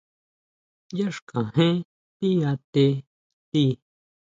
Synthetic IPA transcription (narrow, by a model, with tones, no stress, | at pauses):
ja˦ʂkã˨ɦẽ˦ | pi˦a˧t̪e˧ | t̪i˦